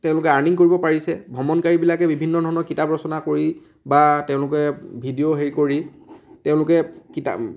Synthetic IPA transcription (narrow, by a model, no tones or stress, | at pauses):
tɛ̃ʊ̃lʊkɛaɹniŋkoɹibɔpaɹisɛbʱɔmɔnkaɹibilakɛbibʱinːɔdʱɔɹɔnɔkitapɹɔsɔnakoɹi | batɛʊ̃lʊkɛbʱidioɦeɹikoɹi | tɛʊ̃lʊkɛkita̰